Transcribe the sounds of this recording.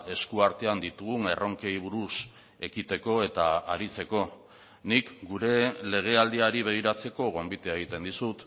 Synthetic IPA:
e̞skuaɾt̪e̞and̪it̪uɣuŋe̞ro̞ŋke̞jβ̞uɾus | e̞kit̪e̞ko̞e̞t̪aaɾit͡se̞ko̞ | nikɡuɾe̞le̞ɣ̞e̞ald̪iaɾiβe̞ɣiɾat͡se̞ko̞ɣo̞mbit̪eaeɣ̞it̪e̞nd̪isut̪

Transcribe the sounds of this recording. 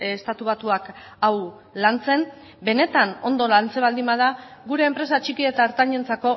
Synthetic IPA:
st̪at̪uβ̞at̪uakaw | lant͡se̞n | be̞ne̞t̪ano̞nd̪o̞lant͡se̞β̞ald̪imbað̞aɣuɾe̞ːmpɾe̞sat͡ʃikie̞t̪aːɾt̪aɲe̞nt͡sako̞

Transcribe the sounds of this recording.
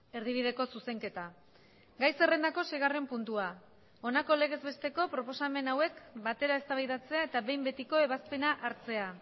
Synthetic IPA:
e̞ɾð̞iβ̞ið̞e̞ko̞suse̞ŋke̞t̪a | ɡajse̞re̞nd̪ako̞se̞jɣ̞are̞mpunt̪ua | o̞nako̞le̞ɣ̞e̞zβe̞st̪e̞ko̞pɾo̞po̞same̞nawe̞kbat̪e̞ɾae̞st̪aβajðat͡se̞ae̞t̪aβe̞jmbe̞t̪iko̞e̞βaspe̞naʔaɾt͡se̞a

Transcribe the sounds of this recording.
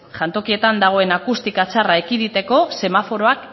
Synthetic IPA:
ʝant̪o̞kie̞t̪and̪aɣ̞o̞e̞nakust̪ikat͡saraekiðit̪e̞ko̞se̞mafo̞ɾo̞ak

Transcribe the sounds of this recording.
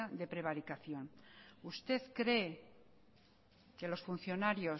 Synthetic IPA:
aðe̞pɾe̞β̞aɾikaθjo̞nust̪e̞θkɾe̞ | ke̞lo̞sfun̟θjo̞naɾjo̞

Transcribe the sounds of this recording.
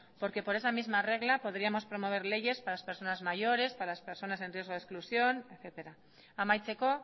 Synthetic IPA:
po̞ɾke̞po̞ɾe̞samizmare̞ɣ̞lapo̞ðɾiamo̞spɾo̞mo̞β̞e̞ɾle̞ʝe̞spaɾlaspe̞ɾso̞nazmaʝo̞ɾe̞spaɾalaspe̞ɾso̞nas̬e̞nrje̞zɣo̞ð̞esklusjo̞neθe̞t̪e̞ɾa | amajt͡se̞ko̞

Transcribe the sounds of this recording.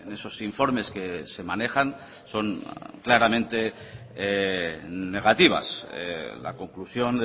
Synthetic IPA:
ne̞so̞siɱfo̞ɾme̞ske̞se̞mane̞xan | so̞ŋklaɾamẽ̞nt̪e̞ | ne̞ɣ̞at̪iβ̞a̰sla̰ko̞ŋklusjon

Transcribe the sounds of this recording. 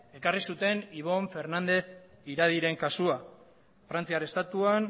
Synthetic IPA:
e̞karisut̪e̞niβ̞o̞ɱfe̞ɾnand̪e̞θiɾaðiɾe̞ŋkasua | fɾant͡siarest̪at̪uan

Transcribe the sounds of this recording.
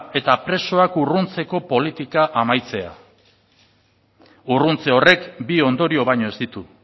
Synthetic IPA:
e̞t̪apɾe̞so̞akurunt͡se̞ko̞po̞lit̪ikaʔamajt͡se̞a̰ | urunt͡se̞o̞re̞kbio̞nd̪o̞ɾio̞βajɲo̞e̞zd̪it̪u

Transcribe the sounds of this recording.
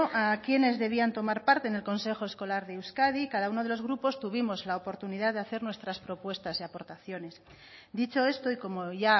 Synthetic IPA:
ʔakje̞ne̞zðe̞β̞iant̪o̞maɾpaɾt̪e̞ːne̞lko̞nse̞xo̞esko̞laɾðeewskaðikaðauno̞ð̞e̞lo̞zɣ̞ɾupo̞st̪uβ̞imo̞zlaopo̞ɾt̪unið̞aðeaθe̞ɾnwe̞st̪ɾaspɾo̞pwe̞st̪aseapo̞ɾt̪aθjo̞ne̞s | d̪it͡ʃo̞e̞st̪o̞iko̞moʝa

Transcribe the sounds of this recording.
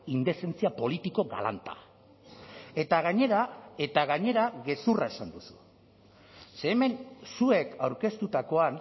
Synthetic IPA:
ind̪e̞se̞nt͡siapo̞lit̪iko̞ɣa̰la̰nt̪a̰ | e̞t̪aɣaɲe̞ɾae̞t̪aɣaɲe̞ɾaɣe̞surae̞sand̪usu̥ | se̞ːme̞nsue̞kawɾke̞st̪ut̪ako̞an

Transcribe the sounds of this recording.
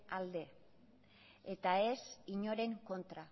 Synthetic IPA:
ald̪e̞ | et̪ae̞siɲo̞ɾe̞ŋko̞nt̪ɾa

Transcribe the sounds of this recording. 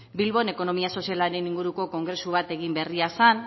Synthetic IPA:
bilβo̞ne̞ko̞no̞miaso̞sialaɾe̞niŋɡuɾuko̞ko̞ŋɡɾe̞suβ̞at̪e̞ɣimbe̞riasan

